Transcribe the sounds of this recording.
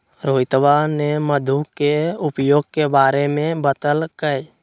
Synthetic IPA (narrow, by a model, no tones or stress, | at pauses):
ɾoːɪt̪ʋaneməd̪ʱukeʊpjoːɡ̚kebaːɾemẽbət̪əlkəj